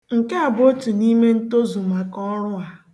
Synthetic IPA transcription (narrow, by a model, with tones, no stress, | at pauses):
ŋ̩˨ke˦a˨bo˦tu˨ni˦me˦n̩˦to˦zu˨ma˨kɔ˦ɾʊ˦a˨